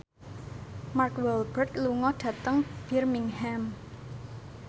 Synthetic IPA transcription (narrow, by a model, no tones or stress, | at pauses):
markwɛlbərtluŋɔɖ̥ä̤t̪əŋb̥irmiŋham